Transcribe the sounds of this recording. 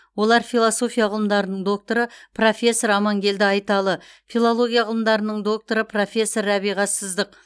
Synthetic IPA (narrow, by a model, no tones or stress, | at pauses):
wo̞lˠɑɾfijlˠoso̞fʲijɑʁəlˠəmd̪ɑɾənəɴd̪o̞k̚t̪o̞ɾəpro̞fʲe̞sːo̞ɾɑmɑŋɡʲe̞ld̪ɪɑjt̪ɑlˠəfilˠolˠo̞ɡʲijaʁəlˠəmd̪ɑɾənəɴd̪o̞k̚t̪o̞ɾəpʰro̞fʲe̞sːo̞ɾæβijʁɑsəzd̪əq